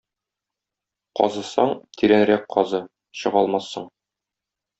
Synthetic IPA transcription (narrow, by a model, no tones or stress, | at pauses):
qɒ̰zɤ̆sɑɴt̪ʰiɾænɾæk̚qʰːɒzɤ | ɕɤ̆ʁɒlˠmɑsːɤɴ